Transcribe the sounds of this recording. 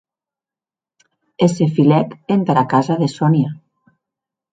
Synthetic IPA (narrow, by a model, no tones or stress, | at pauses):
esefilɛkent̪ɾakazaðesonja